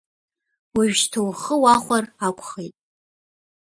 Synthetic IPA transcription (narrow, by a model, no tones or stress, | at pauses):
wiɥʃtʰowχəwaχʷarakʷʰʼχejtʼ